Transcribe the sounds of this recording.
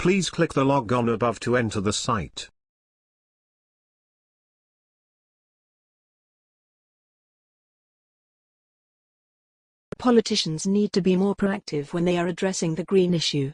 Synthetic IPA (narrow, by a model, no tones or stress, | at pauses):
pʰl̥iːz̥kʰl̥ɪk̚ðəlɒɡə̃n̩əbʌv̥tʰəɛ̃ntʰəðəsaɪt | əpʰɒlɪtʰɪʃə̃nzniːd̚tʰəbimɔːpʰɹ̥əʌk̚tʰɪvwə̃nðeɪəɹədɹɛsɪ̃ŋðəɡɹĩːnɪʃʉ